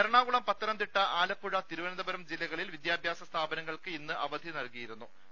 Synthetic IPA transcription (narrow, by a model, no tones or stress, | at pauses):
ɐɾɐɳaːɣuɭɐmpɐt̪ːɐɾɐmd̪iʈːɐʔaːlɐpːuɻɐt̪iɾuʋɐnɐd̪ɐbɐɾɐmd͡ʑilːɐɣɐɭilʋid̪jaːbʱjaːsɐst̪ʰaːbɐnɐŋːɐɭkɨinːɨʔɐʋɐd̪ʱinɐlkijiɾunːu